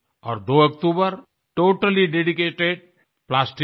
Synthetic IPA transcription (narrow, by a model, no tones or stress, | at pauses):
ɔ̰ːɾd̪oəkt̪ubəɾ | ʈoːʈəliɖeɖikeʈeɖ̚ | plasʈi